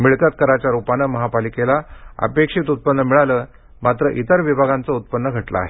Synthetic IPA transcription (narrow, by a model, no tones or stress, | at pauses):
miɭkat̪̚kəɾat͡ɕjaɾupanəməɦapalikelaə̰pekʂiːt̪ut̪̚pənːəmiɭaləː | mat̪ɾəʔit̪əɾʋibʱaɡant͡səut̪̚pənːəɡʱəʈla̰a̰ɦe